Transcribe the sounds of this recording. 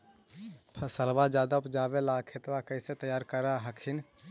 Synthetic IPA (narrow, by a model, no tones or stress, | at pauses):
pʰəsəlbad͡ʒad̪aupd͡ʒabelakʰet̪bakəɪsẽt̪əjaɾkəɾaɦəkʰin